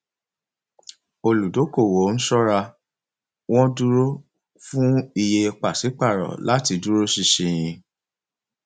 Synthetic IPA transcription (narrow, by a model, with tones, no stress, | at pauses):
o˧lu˨do˨˦ko˦˨wo˨˦n̩˦ʃɔ˦ɾa˧ | w̃ɔ̃˦du˦ɾo˦ | fũ˦i˧je˧k͡pa˨si˨˦k͡pa˦˨ɾɔ̰˨la˦ti˧du˦ɾo˦ʃi˧ʃĩ˧j̃ĩ˧